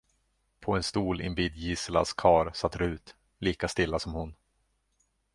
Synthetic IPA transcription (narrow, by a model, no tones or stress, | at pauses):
pʰɔɛnst̪uːlɪ̰nbiːd̪jiːsla̰skʰɑːɾsat̪ːɾʉ̟ːt̪ | liːkast̪ɪlːasɔmhʊn